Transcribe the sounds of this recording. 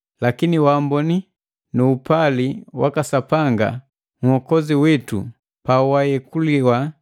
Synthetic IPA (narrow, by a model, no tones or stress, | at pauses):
lakiniwambɔni | nuːpaliwakasapaŋɡa̰ | ŋ̩hɔkɔziwitṵ | pawajɛkuliwa